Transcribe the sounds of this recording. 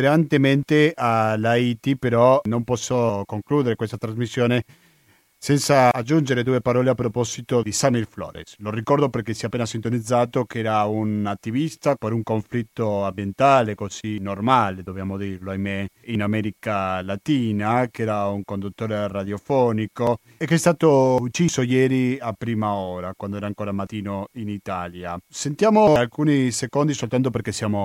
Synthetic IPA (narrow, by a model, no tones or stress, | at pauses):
eɾant̪ement̪ealait̪ipeɾɔnõmpɔsːokoŋkluːd̪eɾekwes̬t̪at̪ɾazmisːjoːne | sɛnsaːd͡ʒund͡ʒeɾed̪uːepaɾɔːleapːɾopɔzit̪od̪isamilflɔ̰ːɾḛslorikɔɾd̪operkesiapːeːnasint̪onid̪zaːt̪okɛːɾaunat̪ːivist̪apeɾuŋkoɱflit̪ːoambjent̪aːlekozinormaːled̪objaːmod̪irloajmeinamɛɾikalat̪iːnakeɛːɾauŋkond̪ut̪ːoːɾerad̪jofɔːniko | ekːeɛst̪aːt̪out͡ʃisojɛːɾiapɾiːmaoːɾakwand̪oɛːɾaŋkoːɾamat̪iːnoinit̪aːljasent̪jaːmoalkuːnisekond̪isolt̪ant̪̬opeɾkesjaːmo